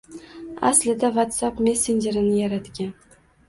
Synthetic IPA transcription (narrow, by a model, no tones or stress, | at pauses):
a̰slɪd̪avat̪sapme̞sːend͡ʒeɾɪnɪjaɾat̪ɡʲan